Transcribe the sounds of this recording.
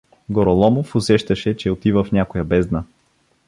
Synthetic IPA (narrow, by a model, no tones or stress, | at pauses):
ɡoɾolˠɔmofʊsɛʃt̪ɐʃɛt͡ʃɛot̪ivəfnʲakojɐbɛzd̪nə